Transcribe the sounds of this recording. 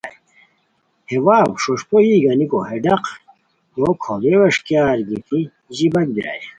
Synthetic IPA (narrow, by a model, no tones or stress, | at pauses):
hewaːbʂoʂpoiɡɐnikoɦeɖɐq | okʰoɡewɐʂkjaːɾɡit̪ʰi | ʑibɐɡ̪̚biɾa̰j